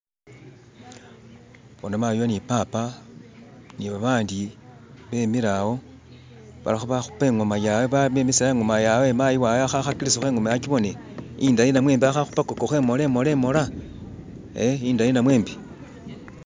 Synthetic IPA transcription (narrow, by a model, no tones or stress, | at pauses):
βonamajonipaːpa | niβaβaːndiβe̞miɾawo̞ | βa̰laxuβaxu̥peŋɡomajaweβamemisiaeŋɡomajawemajiwaweaxaxakiɾisoxeːŋɡomajat͡ʃiβo̞neindajinamwe̞ːmbiaxaxupakokoxwe̞ːmolemole̞mo̞la | eiːndajinamwe̞ːmbi